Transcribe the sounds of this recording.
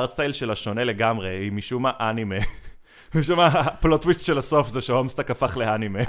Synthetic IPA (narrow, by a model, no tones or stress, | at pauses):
ʁt͡st̪ajlʃelaʃo̞ne̞le̞ɡamʁeimiʃumaʔanime | miʃumaplotwistʃelaso̞fzeʃehomstakafaχleanime